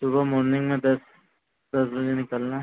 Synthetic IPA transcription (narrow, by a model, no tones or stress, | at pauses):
subʱəmoɾniŋɡmẽd̪əs | d̪əsbəd͡ʑenikəlna